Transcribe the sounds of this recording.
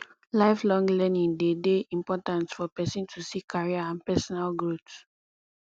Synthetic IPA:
laɪflɔ̃ŋɡlɛnĩŋdedeĩmpɔtãntfɔpɛsĩntʰusikʰaɹiaãnpɛsɔnalɡɹut

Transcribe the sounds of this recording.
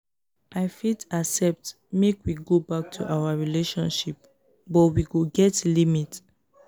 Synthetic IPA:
ʔaɪfitasɛp̚t | mekwiɡobak̚tʰṵʔawaɹileʃɔ̃nʃip̚ | bɔtwiɡoɡɛtlimit

